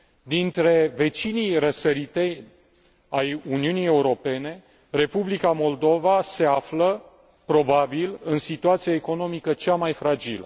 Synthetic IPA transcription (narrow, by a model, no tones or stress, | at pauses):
d̪int̪ɾe̞ve̞t͡ʃinijrəsəɾit̪e̞j | ajuniunije̞uɾo̞pe̞ne̞ | re̞publikamo̞ld̪o̞vase̞aflə | pɾo̞babilɨnsit̪uat̪sijaeko̞no̞mikət͡ʃamajfɾad͡ʒilə